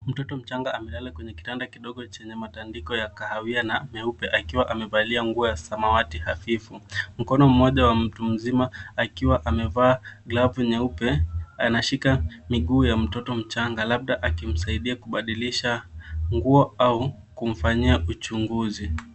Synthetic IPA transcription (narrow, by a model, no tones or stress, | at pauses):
m̩tɔtɔm̩t͡ʃaŋɡaːmɛlalakwɛɲɛki̥tandakiɗɔɠɔt͡ʃɛɲɛmatandikɔjakahawianamɛupɛʔakiwaʔamɛvaliaŋɡuɔjasamawatihafifum̩kɔnɔm̩mɔʄawam̩tum̩zimaakiwaʔamɛvaːɡlavuɲɛupɛanaʃikamiɠuːjam̩tɔtɔm̩t͡ʃaŋɡalaɓ̚ɗaʔakim̩saiɗiakuɓaɗiliʃaŋɡuɔau | kum̩faɲiaʔut͡ʃuŋɡuzi